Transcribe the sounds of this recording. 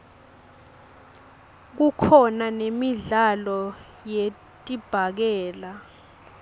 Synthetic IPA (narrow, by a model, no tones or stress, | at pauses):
k̬ukʰɔnanemiɮalɔ | je | tʼib̥ʱak̬ɛːla